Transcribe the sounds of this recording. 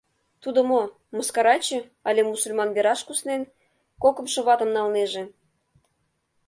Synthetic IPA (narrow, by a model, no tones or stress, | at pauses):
t̪ud̪ə̆mo | mə̆skɑɾɑt͡ɕĕ | ɑlʲemusulʲmɑnβeɾɑʃkusnen | kokə̆mʃɤ̆βɑt̪ə̆mnɑlneʒĕ